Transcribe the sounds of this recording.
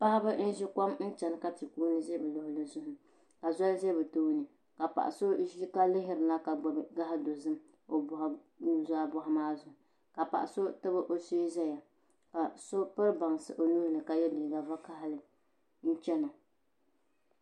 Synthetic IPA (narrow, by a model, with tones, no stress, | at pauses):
pa˦ha˦bɨ˦n̩˦ʒi˦ka˦mn̩˦t͡ʃɛ˨nɨ˨ka˦ti˨kuː˦nɨ˦zɛ˦bɨ˨lʊ˨hʊ˨lɨ˦zʊ˦hʊ˦ | ka˨zɔ˦lzɛ˦bɨ˨toː˦nɨ˨ | ka˨pa̰˨ʔa̰˨so˦ʒi˦ka˦lɪ˦ɦɪ˦ɾɨ˨la˦ka˨ɡ͡bbɡa˦ɦa˦do˨zɨ˦m | o˨bʊ˦˨ha˨ | u˦zaː˦bʊ˦ha˦maː˦zʊ˦hʊ˨ | ka˨pa̰˨ʔa˨so˦tɨ˦bɨ˦ʔo˨so˦zɛ˦ja˨ | ka˨so˦pɨ˦ɾba˨ŋ˨sɨ̰˨ʔo˨nu˦hlɨ˨ka˨jɛ˦diː˨ɡa˨va˦ka˦hɪ˦lɨ˨ | n̩˦t͡ʃɛ˦no˨